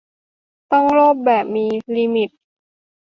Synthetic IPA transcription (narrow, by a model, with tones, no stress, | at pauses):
t̪ɔ˥˩ŋloː˥˩p̚bɛː˨˩p̚miː˧liː˧mi˨˩t̪̚